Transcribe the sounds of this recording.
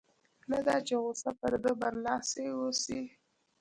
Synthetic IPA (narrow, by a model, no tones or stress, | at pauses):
nad̪ɑt͡ʃeɣosapəɾd̪əbaɾlɑsewosi